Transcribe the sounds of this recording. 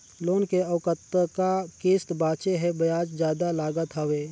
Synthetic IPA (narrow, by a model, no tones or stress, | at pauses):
loːnkeəwkət̪ːəkakeːst̪baːt͡ʃeɦɛbəjaːd͡ʒd͡ʒjaːd̪alaːɡət̪ɦəʋeː